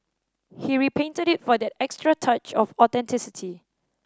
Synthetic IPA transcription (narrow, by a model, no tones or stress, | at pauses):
hiɹipʰẽntədɪtfɔdɛtɛkstɹətʰat͡ʃɔfɔtɛ̃ntʰɪsɪtʰi